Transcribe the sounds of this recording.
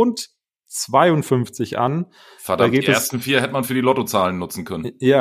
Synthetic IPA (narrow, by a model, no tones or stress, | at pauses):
ʊnt | t͡sv̥aɪʊntfʏnft͡sɪçʔa̰n | fɛɐdaɡːiʔeɐstn̩fiːɐhɛtəmanfyːɐdiːlɔtot͡saːlənːʊt͡sn̩kʰœnənjaː